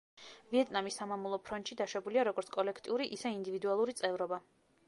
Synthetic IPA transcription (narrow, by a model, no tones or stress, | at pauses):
viɛt̪ʼnamisːamamulˠɔpʰɾɔnt̪ʃid̪aʃɛbuliaɾɔɡɔɾt̪sʰkʼɔlɛkʰt̪ʼiuɾiʔisɛind̪ivid̪ualˠuɾit̪sʼɛvɾɔba